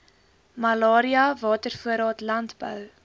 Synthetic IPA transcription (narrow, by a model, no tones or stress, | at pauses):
mɐlɑːɾiɐvɑːtərfuəɾɑːtlɐntbœ̰w